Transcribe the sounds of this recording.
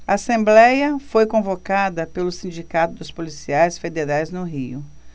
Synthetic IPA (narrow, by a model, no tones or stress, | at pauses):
ɐasẽmblɛjɐfojkõvokad̪ɐpelʊsĩd͡ʒikat̪ʊd̪ʊspolisiajsfed̪eɾajznʊɦḭʊ